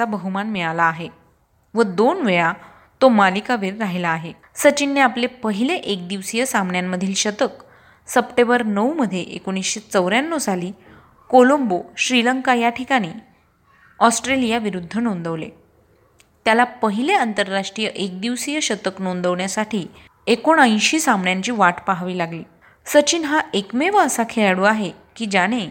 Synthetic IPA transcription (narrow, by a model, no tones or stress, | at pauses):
abəɦumanmiɭalaːɦe | ʋəd̪onʋeja | t̪omalikaʋeːɾːaɦilaːɦe | sət͡ɕinːeaplepəɦileʔek̚d̪iʋsijəsamɳjamːəd̪ʱiːlɕət̪ək | səpʈembəɾnəuməd̪ʱːjeʔekoɽ̃isɕet͡səʋɾjanːɔd͡zʱaliː | kolomboɕɾiləŋkajaʈʰikaɽ̃iː | ɔsʈɾelijaʋiɾud̪ʱːənond̪əʋlḛ | t̪jalapəɦileənt̪əɾːaʂʈɾijəʔek̚d̪iʋsijəɕət̪əknond̪əʋɳjasaʈʰiː | ekoɳə̃j̃ɕiːsamɳjaɲt͡ɕiːʋaʈpaɦaʋiːlaɡliː | sət͡ɕiːnɦaʔekmeʋəəsakʰeɭaɽuːaɦekiːd͡ʑaɽ̃e